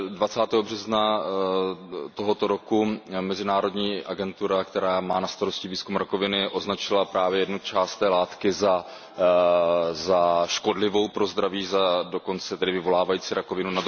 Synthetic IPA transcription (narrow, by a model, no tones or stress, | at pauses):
dvat͡saːt̪ɛːɦo̞br̝ɛzna | t̪o̞ɦo̞t̪o̞ɾo̞kumɛzɪnaːɾo̞dɲiːʔaɡɛnt̪uɾakt̪ɛɾaːmaːnast̪aɾo̞scɪviːskumɾako̞vɪnɪʔo̞znat͡ʃɪlapɾaːvjɛjɛdnut͡ʃaːst̪ːɛːlaːt̪kɪza | zaʃko̞dlɪvo̞wpɾo̞zd̪ɾaviːzado̞ko̞nt͡sɛt̪ɛdɪvɪvo̞laːvajiːt͡siːɾʔako̞vɪnuna